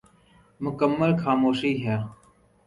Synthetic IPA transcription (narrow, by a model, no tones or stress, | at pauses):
mʊkəmːəlxaːmoːʃiːɦɛː